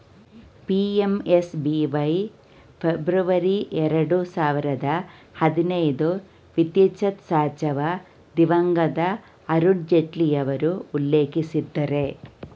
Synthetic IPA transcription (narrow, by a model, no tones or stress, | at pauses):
piemesbiʋɐj | pʰebɾuʋɐɾiʔeɾɐɽusaːʋiɾɐd̪ɐhɐd̪inɐjd̪u | ʋit̪jɐt͡ʃɐt̪saːt͡ʃɐʋɐ | d̪iʋɐŋɡɐd̪ɐː | ɾuɳd͡ʒeʈlijɐʋɐɾuːlːe̞ːkisid̪ːɐɾe